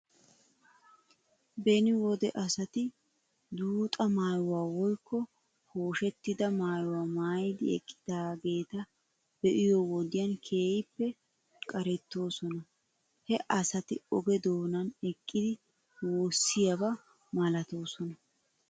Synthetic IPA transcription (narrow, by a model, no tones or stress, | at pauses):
bɛnɪwɔd̪ɛʔɐsɐt̪ɪ | d̪uːt̪ʼɐmaːjʊwaːwɔjkːɔ | hoːʃɛt̪ːɪd̪ɐmaːjwaːmaːjɪd̪ɪɛ̰kʼːɪ̥d̪̥aːɡe̞ːt̪ɐ | b̥ɛʔɪjɔwɔd̪ɪjɐnkʰe̞ːjɪpːɛ | kʼɐɾɛt̪ːo̞ːsɔnɐ | hɛʔɐsɐt̪ɪɔɡɛd̪o̞ːnɐnɛkʼːɪd̪ɪ | wo̞ːsːɪjɐbɐ | mɐlɐt̪o̞ːsɔnɐ